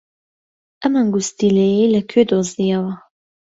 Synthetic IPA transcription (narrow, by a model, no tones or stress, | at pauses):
ʔɐmaŋɡust̪ilejejlɐkʰød̪ozijɐwɐ